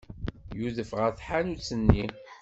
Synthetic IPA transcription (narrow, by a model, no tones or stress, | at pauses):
juðəfʁəɾθħanut͡sːənːi